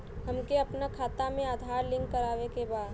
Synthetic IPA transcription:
hɐmkeɐpnakʰaːt̪amẽaːd̪ʱaːɾlɪ̃ŋɡkɐɾaːʋekebaːd̪

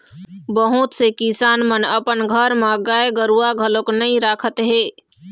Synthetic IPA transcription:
bəɦut̪sekisaːnmənəpənɡʱəɾmãɡaːeɡəɾuaɡʱəloknəɦĩɾaːkʰət̪ɦeː

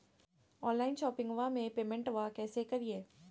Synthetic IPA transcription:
ɔːnlaːɪnʃɔːpɪ̃ŋɡʋamẽpeːmɛ̃ɳʈʋakɛːsekɐɾieː

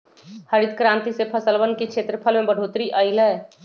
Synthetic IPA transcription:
həɾid̪kɾãːnt̪isepʰəsəlbənkekʰʃʰeːt̪ɾəpʰəlmẽbəɖ̤ʱoːt̪ɾiʔəɪlɛː

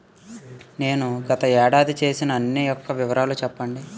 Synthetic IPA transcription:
ne̞ːnuɡɐt̪ɐɛːɽaːd̪it͡ʃe̞ːsinɐːnːijɔkːɐʋiʋɐɾaːlut͡ʃɛpːɐɳɖi

